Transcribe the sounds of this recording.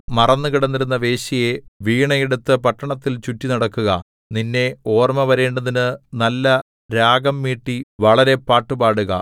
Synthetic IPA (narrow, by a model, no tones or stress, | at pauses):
mɐrɐnːukiɽɐnːiɾunːɐʋe̞ːɕije̞ʋiːɳɐjeɽut̪ːɨpɐʈːɐɳɐt̪ːilt͡ɕutːinɐɽɐkːuɣɐ̰ | ninːe̞o̞ːrmɐʋɐɾe̞ːɳɖɐðinɨnɐlːɐ | ɾaːɡɐmːiːʈːiʋɐɭɐɾe̞paːʈːubaːɽuɣɐ̰